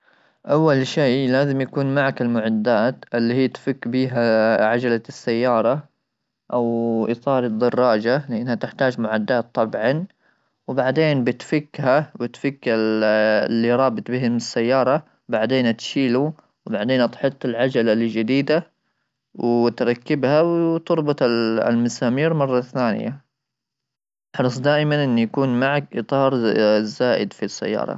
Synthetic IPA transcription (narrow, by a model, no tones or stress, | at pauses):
ʔawːalʃeːlaːzɪmjakuːnmaʕakɪlmʊʕad̪ːaːt̪ʔɪlːiːhiːt̪fɪkːbiːɦaʕad͡ʒalasːajːɑːɾˤɑ | ʔawʔɪt̪ˤɑːɾˤɨd̪ːɑrˤːɑːd͡ʒalɪʔanːhat̪ɪħt̪aːd͡ʒmʊʕad̪ːaːt̪ˤːɑbʕɑn | wbaʕd̪eːnbɪt̪fɪkːhabɪt̪fɪkːa | lːiɾˤɑːbɪt̪ˤbɪɦɪmɪsːajːɑːɾˤɑ | baʕd̪eːnat̪ʃiːlu | wbaʕd̪eːnʔɑt̪ħɨt̪ˤːɪlʕad͡ʒalalid͡ʒɪd̪iːd̪a | wt̪ɾˤɑkːɪbhawt̪ʊɾˤbʊt̪ˤl̰lmasaːmiːɾmɑrˤːɑθaːnɪ̰ja̰ | ħɑɾˤsˤd̪aːʔɪmanʔɪnːjakuːnmaʕakʔɨt̪ˤɑːɾˤzaːʔɪ̰d̪fisːa̰jːɑ̰ːɾˤɑ̰